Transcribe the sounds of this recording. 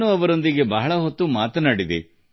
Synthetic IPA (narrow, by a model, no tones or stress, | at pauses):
nuɐʋɐɾo̞nd̪iɡe̞bɐɦɐɭɐɦot̪ːumaːt̪ɐnaːɽid̪e